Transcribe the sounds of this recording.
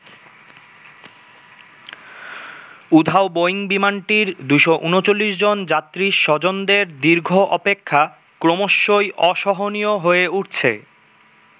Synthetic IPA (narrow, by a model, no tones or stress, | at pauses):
ud̪ʱaoboiŋbimanʈiɾd̪uʃɔʔunot͡ɕolːiʃd͡ʑond͡ʑat̪ːɾiʃɔd͡ʑond̪eɾd̪iɾɡʱoʔɔpekʰːa | kɾomoʃːojʔɔʃɔɦonijoɦoeuʈ̚t͡ɕʰḛ